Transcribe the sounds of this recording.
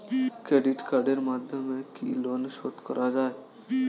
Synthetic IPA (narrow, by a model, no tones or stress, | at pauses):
kɾeːɖɪʈkaːɾɖeɾmaːd̪ʱjəmːẽkḭloːnʃoːt̪kəɾʔad͡ʒaːe